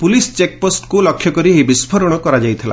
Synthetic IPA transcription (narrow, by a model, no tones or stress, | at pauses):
pulist͡ʃek̚posʈkulɔkʰːjɔkɔɾiɦebispʰɔɾɔɽ̃ɔkɔɾad͡ʒajt̪ʰila̰